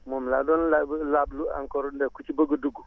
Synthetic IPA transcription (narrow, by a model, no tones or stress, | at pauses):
momladɔnlalablua̰ŋkɔɾndɛkut͡ʃibəɡəduɡu